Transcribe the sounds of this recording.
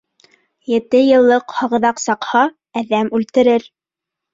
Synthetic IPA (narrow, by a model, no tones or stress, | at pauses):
jɘ̆t̪ɘjɤ̆lˠːɤqhɑʁɤ̆ðɑqsɑqhɑ | æðæmʉlt̪ɘ̆ɾɘɾ